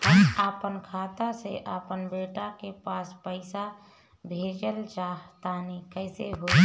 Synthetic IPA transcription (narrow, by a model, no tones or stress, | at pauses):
əapənkʰat̪aseʔapənbeʈakepaspəɪsa | bʱed͡ʒəlt͡ʃaɦt̪anikəɪseɦo